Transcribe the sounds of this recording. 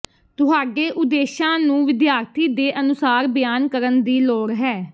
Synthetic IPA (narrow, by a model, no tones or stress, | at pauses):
t̪ʊɦaːɖeːʔʊd̪eːʃãːnũːʋɪd̪jaːɾt̪ʰiːd̪eːʔənʊsaːɾbɪjaːnkəɾənd̪iːloːɽɦɛː